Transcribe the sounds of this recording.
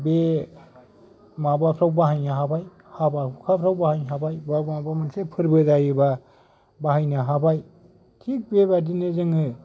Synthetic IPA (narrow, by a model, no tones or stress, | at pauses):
be | mabapʰɾawbaɦajnaɦabaj | habahukʰapʰɾawbahajɦabajbamabamɯnsepʰɯɾbɯdajɯba | baɦajnaɦabaj | tʰik̚bebadinɯzɯŋɯ